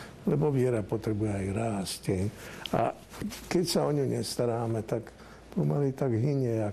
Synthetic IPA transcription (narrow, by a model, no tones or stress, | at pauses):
lɛbɔʋɪɛɾapɔt̪ɾɛbujɛajɾaːscɛɲa̰ | kɛcsaɔɲumɲɛst̪aɾaːmɛt̪ak | pɔmalit̪aɡɦiɲɛa